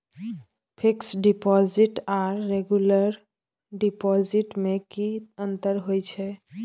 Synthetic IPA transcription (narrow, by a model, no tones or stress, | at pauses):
pʰiksɖipɔziʈaɾːeɡjuləɾ | ɖipɔziʈmekiənt̪əɾɦojt͡ʃʰɛ